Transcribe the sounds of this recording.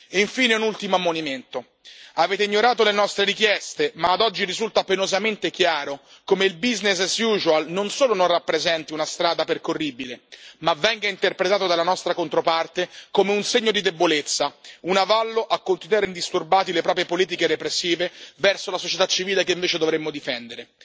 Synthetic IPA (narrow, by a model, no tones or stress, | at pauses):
iɱfiːneunult̪imoamːoniment̪o | aveːt̪eiɲːoɾaːt̪̬olenɔst̪ɾeɾikjɛst̪emaːd̪ɔd͡ʒːiɾizult̪apenozament̪ekjaːɾo | komeilbiznessjuzualnonsoːlononrapːɾezɛnt̪iunast̪ɾaːd̪aperkorːiːbilemavːɛŋɡaint̪erpɾet̪aːt̪od̪alanɔst̪ɾakont̪ɾopart̪ekomeunseɲːod̪id̪ebolet̪sːaunavalːoʔakːont̪inuaɾeind̪ist̪urbaːt̪̬ilepɾɔːp̬ɾjepoliːt̪ikeɾepɾesːiːvevɛrsolasot͡ʃet̪at͡ʃːiviːlekeiɱveːt͡ʃed̪ovɾemːod̪ifɛnd̪eɾe